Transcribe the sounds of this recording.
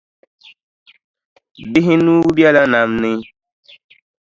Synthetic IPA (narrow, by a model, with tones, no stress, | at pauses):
bɪ˦ɦi˦nũː˦bi˦a˦la˦na˨mnɪ˦